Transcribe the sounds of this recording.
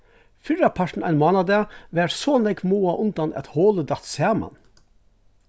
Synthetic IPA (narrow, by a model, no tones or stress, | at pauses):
fʏɾɑpʰæʃɳ̩æɪnmoːnɑd̪eʋæːʈsoːnɛɡmuːɑʔʊnd̪ɑnɛ̰t̪hoːləd̪ɑt̪sæːmɑ̰n